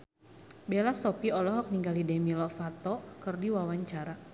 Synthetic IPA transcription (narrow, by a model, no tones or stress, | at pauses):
belasɔpiɔlɔɦɔk̚niŋɡalidɛmilɔfat̪ɔkɨrdiwawaɲt͡ʃaɾa